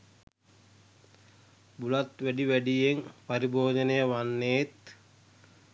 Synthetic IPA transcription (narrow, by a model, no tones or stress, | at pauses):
bulat̪ʋæɖiʋæɖijeŋpaɾiboːd̪ənəjəʋanːeːt̪